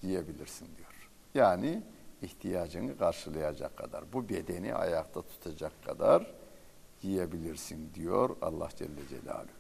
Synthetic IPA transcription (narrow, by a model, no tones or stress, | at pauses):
jijebilʲiɾsind̪ijo̞ɾ̥ | jaːniːht̪ʰijaːd͡ʒɯnɯkʰaɾʃɯlˠajad͡ʒa̰kʰːad̪a̰ɾbube̞d̪e̞nḭʔa̰jakt̪ʰat̪ʰu̥t̪ʰad͡ʒakʰːad̪aɾ | jijebilʲiɾsind̪ijo̰ɾa̰lˠːa̰hd͡ʒɛlʲːed͡ʒḛlʲa̰ːlʲy